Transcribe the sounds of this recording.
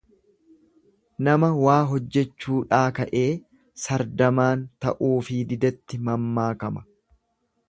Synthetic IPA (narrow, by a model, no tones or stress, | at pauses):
nɐmɐwaːɦɔd͡ʒːɛt͡ʃːuːᶑaːkɐʔe̞ː | sɐɾd̪ɐmaːnt̪ɐ̰ʔuːfɪd̪ɪd̪ɐt̪ːɪmɐmːaːkɐmɐ